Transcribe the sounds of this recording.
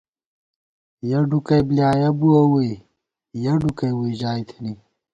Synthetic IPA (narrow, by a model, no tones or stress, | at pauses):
jɐɖukɐjbljaːjɐbuɐwuj | jɐɖukɐjwuiʑaːjt̪ʰini